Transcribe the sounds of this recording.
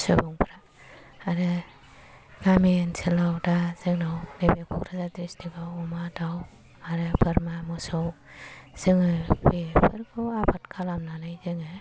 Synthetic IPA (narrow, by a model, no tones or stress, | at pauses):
sɯbuŋpʰɾaː | ɾɯ | ɡ̥amensʰɯlawdazɯŋnawnebekʰukɾazadɾistiɡawumadaw | aɾɯbɯɾmamɔsowz̥ɯŋɯbepʰɯɾkʰɯwabʰat̚kʰalamnanajzɯŋɯ